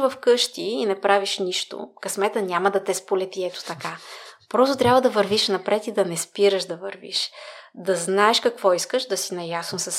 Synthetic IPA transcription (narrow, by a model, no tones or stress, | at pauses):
vɐfkɤʃt̪iːnɛpɾaviʃniʃt̪o̰kɐsmɛt̪ənʲamɐd̪ɐt̪ɛspolɛt̪iɛt̪o̥t̪ɐkapɾɔst̪ot̪ɾʲjabvəd̪ɐvɐɾviʃnɐpɾɛt̪id̪ɐnɛspiɾəʃd̪ɐvəɾvḭʃd̪ɐznaɛʃkɐkvɔiskəʃd̪ɐsinɐjasnosɐs